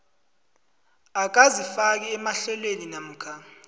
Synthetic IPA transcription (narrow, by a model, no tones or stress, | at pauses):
ak̬azifak̬iɛmaɬɛlweninam̩ːkʰa